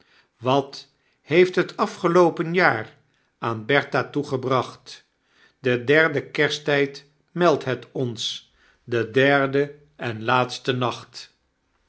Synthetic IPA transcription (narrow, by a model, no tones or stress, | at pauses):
ʋɑt | hejftɦətɑfχəlowpənjaːr | aːnbɛɹtatuχəbrɑχt | dədɛɹdəkɛɹstɛjt | mɛlˠtɦɛtɔns | dədɛɹdə | ɛnlaːtstənɑχt